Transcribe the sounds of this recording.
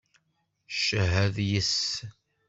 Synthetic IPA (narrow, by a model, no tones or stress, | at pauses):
ʃəɦæðjəs